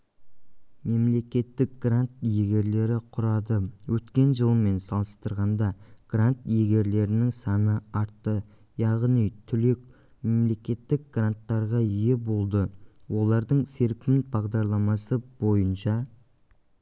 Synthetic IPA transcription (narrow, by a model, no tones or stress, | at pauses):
me̞mle̞kʲe̞t̪ːɪk̚ɡ̥rant̪jeɡʲe̞ɾle̞ɾɪqʰʊɾɑd̪əwɵt̪kʲe̞nʒəlˠəme̞nsɑlˠəst̪əɾʁɑnd̪ɑɡ̥rant̪jeɡʲe̞ɾle̞ɾɪnɪŋsɑnəɑɾt̪ːə | jɑʁnijt̪ʰʏlek | me̞mle̞kʲe̞t̪ːɪk̚ɡrant̪ːɑɾʁɑije̞bo̞lˠd̪əwo̞lˠɑɾd̪əɴse̞ɾpʲɪnbɑʁd̪ɑɾlˠɑmɑsəb̥o̞jənʃɑ